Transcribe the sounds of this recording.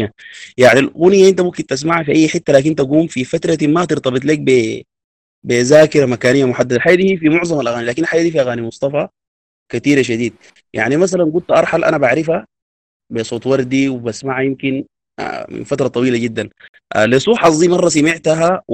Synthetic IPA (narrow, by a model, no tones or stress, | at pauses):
ajaʕnilɣunjaʔint̪amumkint̪as̬maʕafiʔajːħɪt̪ːalaːkint̪aɡuːmfifat̪ɾˤɑt̪imat̪ɪɾt̪ɑbit̪ˤleːk̚be | bezaːkɪɾamakaːnijːamʊħad̪ːad̪alħaːjːad̪iːhiːfimʊʕzˤɑmalʔaɣaːnilaːkinlħaːjːad̪iːfiʔaɣaːnimʊsˤt̪ˤɑfɑ | kat̪iːɾaʃ̬ad̪iːd̪̚ | ja̰ʕnimas̬alanɡud̪t̪ʔɑɾˤħalʔa̰nabaʕɾifa | besˤoːt̪ˤwɑɾˤd̪iwibasmaʕajimkin̰ | mḭnfat̪ɾˤɑt̪ˤɑwiːlaɟid̪ːan | ʔlisˤuːħɑsˤd̪iːmɑrˤːɑsamiʕt̪aɦa